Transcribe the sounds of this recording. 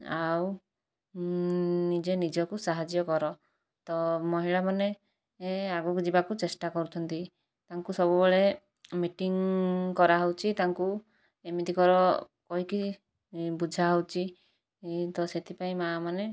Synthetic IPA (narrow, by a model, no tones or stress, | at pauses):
aw | nid͡ʒenid͡ʒɔkusaɦad͡ʒjɔkɔɾɔ | t̪ɔmɔɦiɭamane | aɡukd͡ʒibakut͡ʃesʈakɔɾut̪ʰɔnt̪i | t̪aŋkusɔbubeɭe | miʈiŋkɔɾaɦɔwt͡ʃʰit̪aŋku | emit̪ikɔɾɔ | kɔɦiki | bud͡ʒʱaɦowt͡ʃʰi | t̪ɔset̪ʰipaĩmamane